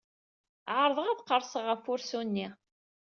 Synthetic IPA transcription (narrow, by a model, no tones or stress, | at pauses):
ʕəɾˤəðˤəʁæðqəɾˤsəʁːəfʊɾsunːi